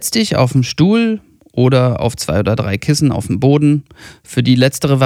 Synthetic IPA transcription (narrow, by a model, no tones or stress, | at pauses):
ɛt͡stɪça̰ʊfmʃtuːl | ʔoːɾɐa̰ʊft͡sv̥a̰ɪoːdɐdʁaɪkʰɪsn̩a̰ʊfmboːdn̩fyːɐdiːlɛt͡stəʁ̞əva